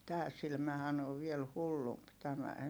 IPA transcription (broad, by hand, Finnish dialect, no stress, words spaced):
tæː silmæhæn oʋ ʋiel hulːump tæmæ